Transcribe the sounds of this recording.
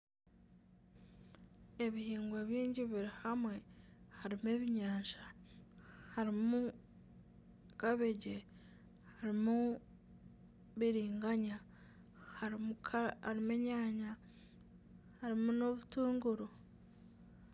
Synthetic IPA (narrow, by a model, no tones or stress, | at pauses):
e̞βihiːŋɡweβjiːɲɟiβiɾihamwe̞haɾime̞βiɲaːɲʃa | haɾimu | kaβeɟe | haɾimu | βiɾiːŋɡaɲa | hamukʰaɾimeɲaːɲa | haɾimunoβutuːŋɡuɾo